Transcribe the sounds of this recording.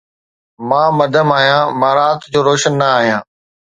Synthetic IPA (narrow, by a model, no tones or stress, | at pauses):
mãːmɐd̪ʱəmaːɦijãːmãːɾaːt̪d͡ʑoːɾoːʃənːɐaːɦijãː